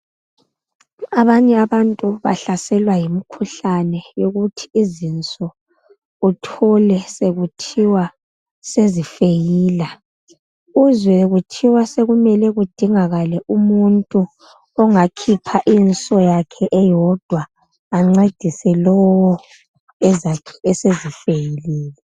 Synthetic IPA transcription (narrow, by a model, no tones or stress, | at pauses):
aβaɲɛaβantʼuβa̰ɬasɛlwajimikʰuɬanɛjoɣutʰi̥ːzint͡sʼɔ | utʰɔlɛseɣutʰiwa | sezifejiːla | uzwɛɣutʰiwaseɣumɛlɛɣud̥ʱiŋaɣalɛʔumuntʼu | ɔŋakʰipʰaʔint͡sʼɔjakʰɛʔɛjɔd̥ʱwaː | ŋ͡ǀed̥ʱisɛlɔwɔ | ɛzaɛsezifejilɛːlɛ